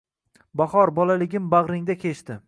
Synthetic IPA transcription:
baχɒɾbɒlalɪɡʲɪmbaʁɾɪŋd̪akʲʰe̞ʃt̪ɪ

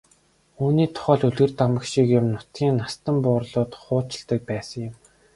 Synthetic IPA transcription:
uːniːt̪ʰʊ̥χœːɮɵɮɣɘ̆rt̪amə̆kʃikjʊ̆mnʊt̪ɡʲiːnːast̪ə̆mpʊːrɮʊːt̪χʊːt͡ɕɪ̆ɮt̪ə̆k̚pæːsə̆ŋjʊ̆m

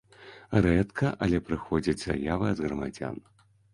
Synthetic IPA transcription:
rɛt̪kɐʔɐlʲɛpɾɨxɔd͡zʲid͡zʲza̰javɨɐd̪ɣɾɐmad͡zʲa̰n

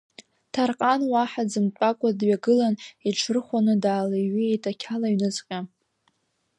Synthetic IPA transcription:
tʰarqʼanwaħad͡zɨmt͡pʼakʷʼadɥaɡɨlaniʈ͡ʂʰɨrχʷanɨdaːlaɥiejtʰʼakʲʰalaiɥnɨt͡sʼqʲʼa

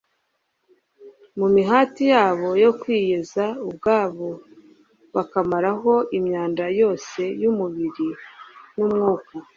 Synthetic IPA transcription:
mumiɦaːtijaːβo̞jo̞kwiːjezaub̚ɡaːβo̞ | βakamaɾaɦo̞imɲaːndajo̞ːse̞jumuβiɾinumŋuːko

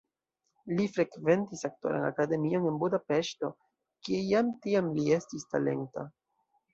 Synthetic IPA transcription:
lifɾe̞kve̞ntisak̚to̞̰ɾa̰na̰kade̞mio̞ne̞nbudape̞ʃto̞ | kiejamtiamlie̞stistale̞̰ŋta̰

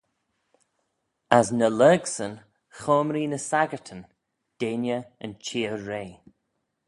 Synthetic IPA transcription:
əznələːɡsən | xɔːmɾiːnəsaɡətʰən | d̥enjəənt͡ʃʰiːəɹeː

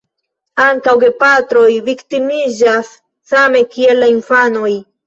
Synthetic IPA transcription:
aŋkawɡepat̪ɾojvikt̪imid͡ʒasː | ame̞kielːainfanoj

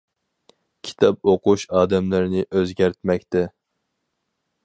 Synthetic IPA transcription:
kʲʰi̥t̪ʰɑp̚oquʃɑːd̪ɛmlæɾnɪʔøzɡʲæɾt̪mɛkʲt̪ɛ

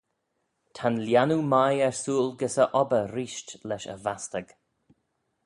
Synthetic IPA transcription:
t̪ʰanljanumajɛɹsuːlɡəsəʔɔbəɾiːʃtlɛʃə̰vastəɡ̥

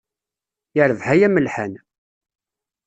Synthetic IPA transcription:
jəɾəvhæjæməlħan

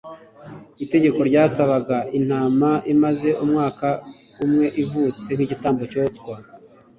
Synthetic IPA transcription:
ite̞ɟe̞ko̞ɾɟaːsaβaɡaʔin̥haːmaʔimaze̞ʔumŋaːka | umŋe̞ʔivuːt͡se̞ŋhiɟitaːmbo̞co̞ːt͡skwa

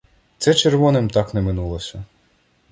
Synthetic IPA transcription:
t̪sɛt͡ʃerʋɔnɪmt̪ɑknɛmɪnulˠɔsʲɐ

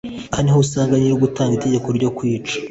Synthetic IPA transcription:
ahanihousaːŋɡaɲiɾoɡutaːŋɡite̞ɟe̞ko̞ɾɟo̞kwiːt͡ʃḁ

